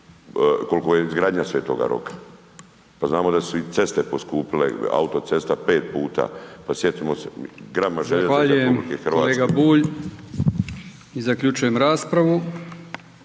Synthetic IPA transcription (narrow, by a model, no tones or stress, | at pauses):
ko̞lkojeizɡɾaːd̪ɲasʋeːt̪o̰ɡa̰ɾo̞̰kḁ | paznaːmo̞d̪asuit̪se̞st̪e̞po̞skuːpilḛa̰ut̪o̞t̪e̞st̪ape̞ːt̪̚puːt̪a̰pasjet̪imoseɡɾamaʒeʎeaːʎɾeujeumblikexr̩ʋaːleɡabuːʎ | izakʎʲut͡ʃujemɾaːspɾaʋu